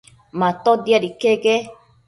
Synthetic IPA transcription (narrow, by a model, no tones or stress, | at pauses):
mãt̪od̪jaɾikeɡe